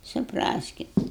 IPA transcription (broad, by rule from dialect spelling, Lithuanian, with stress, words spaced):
sʊˈprɑːsʲkʲɪt